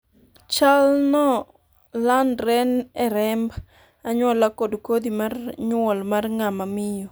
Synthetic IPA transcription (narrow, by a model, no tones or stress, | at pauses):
t͡ʃalnɔ | landɾɛnɛɾɛmb | aɲwɔlakɔdkod̪imarɲʊwɔlmarŋamamɪjɔ